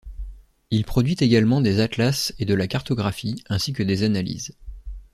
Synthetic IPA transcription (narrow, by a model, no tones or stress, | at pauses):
ilpχɔd̪ɥit̪eɡalmɑ̃d̪ezat̪lased̪əlakaʁt̪ɔɡʁafiɛ̃sikəd̪ezanalḭz